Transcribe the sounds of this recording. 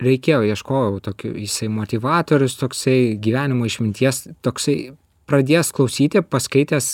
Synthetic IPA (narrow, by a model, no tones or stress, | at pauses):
ɾʲɛɪkʲeːjoːjiɛʃkoːjɛʊt̪oːkʲʊ̰jɪsɐɪmoːt̪ʲiʋɑːt̪oːɾʲʊst̪oːksɐɪɡʲiːʋʲæːnʲɪmoːɪʃmʲɪnʲt̪ʲiɛst̪oːksɐɪ | pɾɐd̪ʲeːjsklˠɐʊsʲiːt̪ʲɪpɐskɐɪt̪ʲeːs